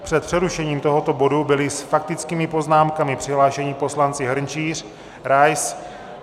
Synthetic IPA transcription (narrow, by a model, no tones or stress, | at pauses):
pr̝̥ɛt̪̚pr̥ɛɾuʃɛɲiːmt̪o̞ɦo̞t̪o̞bo̞dubɪlɪsfak̚t̪ɪt͡skiːmɪpo̞znaːmkamɪpr̥ɪɦlaːʃɛɲɪpo̞slant͡sɪɦɾ̩ɲt͡ʃiːr̝ | ɾajs